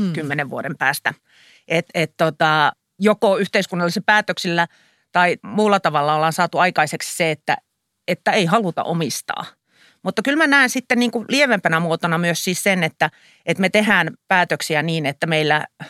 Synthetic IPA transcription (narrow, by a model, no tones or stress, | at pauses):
kymːeneʋʋuoɾempæːst̪æ | ʔet̪ett̪ot̪ɑ | jokoyht̪eiskunːɑlːˑisepæːt̪øksilːæ | t̪ɑimuːlːɑt̪ɑʋɑlːɑolːɑːnsɑːt̪uɑikɑiseksseet̪ːæ̰ | et̪ːæeihɑlut̪ɑ̰ʔomist̪ɑ̰ː | mut̪ːɑkylmænæːnsit̪ːenniːŋkulieʋempænæmuot̪onɑmyøssiːssenet̪ːæ | ʔet̪met̪ehæːnpæːt̪øksiæniːnet̪ːæmeilːæ